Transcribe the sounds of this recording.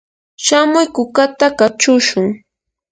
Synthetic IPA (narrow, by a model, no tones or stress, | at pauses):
ʃamʊjkʊkat̪akat͡ʃʊʃʊŋ